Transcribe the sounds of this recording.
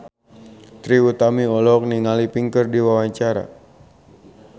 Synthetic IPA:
t̪ɾiut̪amiɔlɔk̚niŋalipiŋkərdiwawaɲt͡ʃaɾa̰

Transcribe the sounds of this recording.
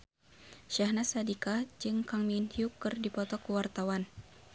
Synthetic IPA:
ʃahnasadikad͡ʒɨŋkaŋminhjukɨrdipɔt̪ɔkuwart̪awan

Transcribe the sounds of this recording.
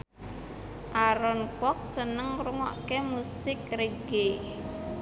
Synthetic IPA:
ʔaɾɔnkwɔk̚sənəŋruŋɔ̰ʔkemusɪkreɡ̥e

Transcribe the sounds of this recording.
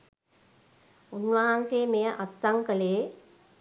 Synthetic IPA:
unʋɐɦanseːmejəʔatsaŋkəleː

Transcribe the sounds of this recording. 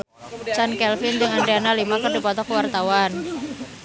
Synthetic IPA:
t͡ʃankɛlfɪnd͡ʒɨŋaɳɖeanalimakərdipɔt̪ɔkəwart̪awan

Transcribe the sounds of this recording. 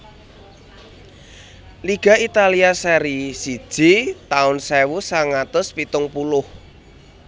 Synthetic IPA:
liɡ̥a̤it̪aliasɛɾisid̥ʒ̥i̤t̪aʊnsɛwusaŋat̪ʊspit̪ʊŋpulʊh

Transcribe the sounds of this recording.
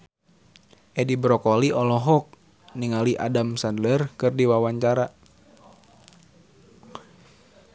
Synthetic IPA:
ʔɛdibɾɔkɔliɔlɔɦɔk̚ | niŋaliʔa̰damsandlərkɨrdiwawaɲt͡ʃaɾa

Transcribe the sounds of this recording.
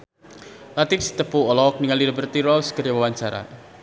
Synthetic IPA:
lat̪ifsi̥t̪əpuɔlɔk̚niŋaliɾəbərt̪iɾɔskərjawawaɲt͡ʃaɾa̰

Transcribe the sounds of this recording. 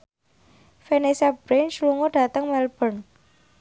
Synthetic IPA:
fenesab̥ɾent͡ʃluŋoɖ̥a̤t̪əŋmɛlb̥ən

